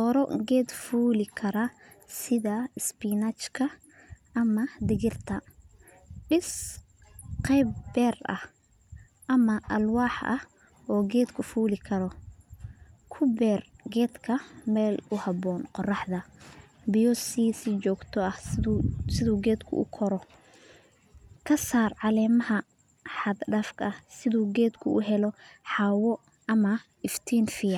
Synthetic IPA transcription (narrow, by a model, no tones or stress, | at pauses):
t̪ɔːɾɔ̰ɡɛːd̪fuːlɪkʰɐɾɐ | sɪðɐɪspiːnɐt͡ʃkʰɐ | ʔɐmɐd̪ɪɣɪrt̪ʰɐ | ɖɪs | qɛjbbɛːrɐ̰h | ʔɐmɐʔɐlwɑːħʔɐ̰h | ɔːɡɛːd̪kʰʊfuːlɪkʰɐɾɔ | kʰʊbɛːrɡɛːd̪kʰɐmɛːlʊhɑbɔːnqɔrɑħðɐ | bijɔsisɪt͡ʃɔːɡt̪ʰɔɐh | sɪðuːɡɛːd̪kʰʊ̰ʊ̰kʰɔɾɔ | kʰɐsaːrʕɑlɛːmɐɦɐ | ħɑd̪ɖɐfkʰɐhsɪðuːɡɛːd̪kʰʊʊɦɛlɔħɑːwɔ | ʔɐmɐ | ɪft̪ʰiːnfɪjɐ